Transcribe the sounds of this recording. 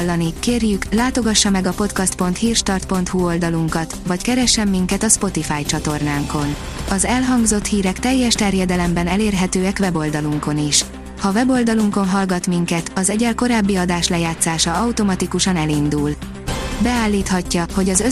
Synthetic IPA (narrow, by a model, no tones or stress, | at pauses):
lːɒnikeːrjyklaːt̪o̞ɡɒʃːɒmɛɡɒpo̞t̪kɒst̪̚po̞nt̪hiːrʃt̪ɒrt̪̚po̞nt̪huo̞ld̪ɒluŋkɒt̪vɒckɛɾɛʃːɛmːiŋkɛt̪ɒspo̞t̪ifaːjt͡ʃɒt̪o̞rnaːŋko̞n | ɒzɛlɦɒŋɡzo̞t̪hiːɾɛkt̪ɛjːɛʃt̪ɛrjɛd̪ɛlɛmbɛnɛleːrɦɛt̪øːɛkʋɛbo̞ld̪ɒluŋko̞niʃ | hɒvɛbo̞ld̪ɒluŋko̞nɦɒlɡɒt̪miŋkɛt̪ɒzɛɟɛlko̞ɾaːbːiɒd̪aːʃlɛjaːt̪saːʃɒɒwt̪o̞mɒt̪ikuʃɒnɛlind̪uːl | bɛaːlːiːt̪hɒcːɒho̞ɟɒzø